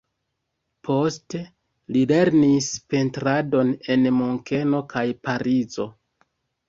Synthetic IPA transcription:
pʰo̞ste | lile̞ɾnispe̞ntɾado̞ne̞nmoŋke̞no̞kʰajpaɾizo̞̰

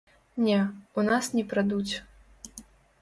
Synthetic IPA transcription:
nʲɛunasnʲɛpɾad̪ut͡sʲ

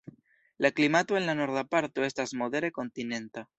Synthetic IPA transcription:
laklimat̪oe̞nlano̞ɾðapaɾt̪oe̞stazmo̞ðe̞ɾeko̞nt̪ine̞nt̪a

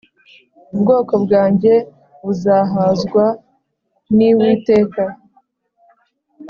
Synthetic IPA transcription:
ubɡo̞ːko̞bɡaːɲɟe̞ | βuzaɦazɡwa | niwiːte̞ːka

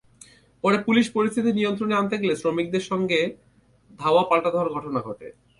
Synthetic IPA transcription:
pɔɾepuliʃpoɾist̪ʰit̪inijont̪ɾoneant̪eɡelesɾomik̚d̪eɾʃɔŋɡe | d̪ʱaoapalʈad̪ʱɔoaɾɡʱɔʈonaɡʱɔʈḛ

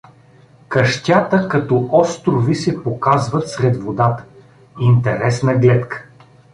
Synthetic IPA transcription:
kɐʃt̪ʲat̪əkɐt̪ɔɔst̪ɾʊvisɛpokazvət̪sɾɛd̪vod̪at̪ə̥ | int̪ɛɾɛsnɐɡlɛt̪kə̥

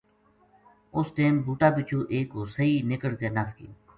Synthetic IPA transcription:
ʊsʈeːmbuːʈaːbɪt͡ʃʰũːʔeːkɦoːsəiːnɪkəɽkeːnaskḭː

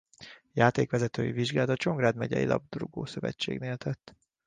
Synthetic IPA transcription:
jaːt̪eːkʋɛzɛt̪øːjiviʒɡaːlt̪ɒt͡ʃo̞ŋɡraːd̪mɛɟɛ̰jilʔɒ̰b̚d̪ruɡoːsøvɛ̰t͡ʃːḛːɡneːlt̪ʰɛt̪ː

